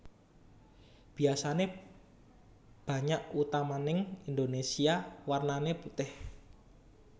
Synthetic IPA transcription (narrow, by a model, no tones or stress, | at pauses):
b̥i̤asane | b̥ä̤ɲaʔut̪amanɪŋind̪onesiawarnaneput̪ɪh